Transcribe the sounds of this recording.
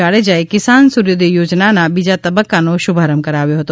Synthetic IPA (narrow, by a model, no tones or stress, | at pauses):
aɭed͡ʒaekɪsansuɾjod̪ijoːd͡ʒnanabid͡ʒat̪əbəkːanoʃʊbʱaɾəmkəɾaʋjoɦət̪o